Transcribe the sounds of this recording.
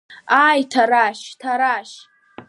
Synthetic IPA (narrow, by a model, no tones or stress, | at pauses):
ajtʰaɾaʃtʰaɾaʃ